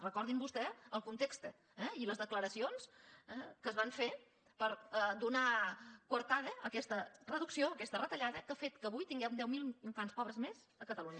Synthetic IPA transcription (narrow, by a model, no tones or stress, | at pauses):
rəkɔɾðimbust̪ɛəlˠkunt̪ekst̪ə | ɛiləzðəkləɾəsionsɛkəzβaɱfe | pəɾd̪unakwəɾt̪aðəəkɛst̪ərəðuksioəkɛst̪ərət̪əʎaðəkafet̪kəβujt̪iŋɡɛwd̪ɛwmilˠk̪anspɔβɾəzmez | əkət̪əluɲə